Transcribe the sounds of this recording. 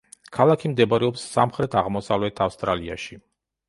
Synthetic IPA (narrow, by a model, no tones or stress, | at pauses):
kʰalˠakʰimd̪ɛbaɾɛɔpsːamχɾɛt̪ʰaʁmɔsavlɛt̪ʰafst̪ʼɾalia̰ʃi